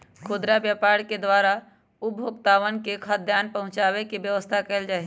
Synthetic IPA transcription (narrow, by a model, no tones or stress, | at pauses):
kʰoːd̪ɾabjaːpaːɾked̪waːɾa | ʊbʱoːɡt̪aːʋənkekʰad̪ʱjaːnpəɦʊ̃t͡ʃaːwekebjəʋəst̪ʰakɛld͡ʒaːe